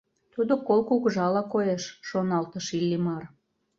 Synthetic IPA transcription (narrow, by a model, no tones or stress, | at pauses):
t̪ud̪okolkukʒɑlɑkojeʃːonɑlt̪əʃilʲːimɑr